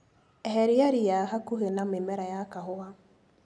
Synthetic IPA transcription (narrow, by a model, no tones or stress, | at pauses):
ɛɦɛɾiaɾijaɦakuɦenamemɛɾajakaɦʊa